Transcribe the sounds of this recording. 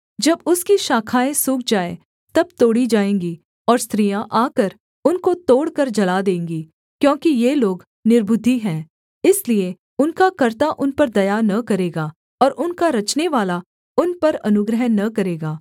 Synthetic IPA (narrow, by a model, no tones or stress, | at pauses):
d͡ʒɐbʊskiʃaːkʰaːẽsʊːk̚ʰd͡ʒaːḛ | t̪ɐb̚t̪oːɽid͡ʒaːẽːŋɡi | ɔːɾst̪ɾijãʔaːkəɾ | ʊnkot̪oːɽkɐɾd͡ʒɐlad̪ẽːŋɡiː | kjõːkijeloːɡ | nɪɾbʊd̪ʱːiɦɛ̃ː | ɪslie | ʊnkakɐɾt̪aʔʊnpɐɾd̪ɐjanɐkɐɾeːɡaː | ɔːɾʔʊnkaɾɐt͡ʃneʋaːla | ʊnpɐɾɐnʊɡɾəɦənːɐkɐɾeːɡaː